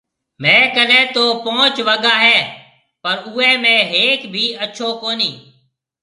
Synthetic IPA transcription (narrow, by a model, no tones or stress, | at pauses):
mɛ̃ːkəlɛ̃ːt̪oːpoːt͡ʃʋəɡaːɦɛː | pəɾʊːɛːmẽːɦeːkbʱiːətːʃʰoːkoːniː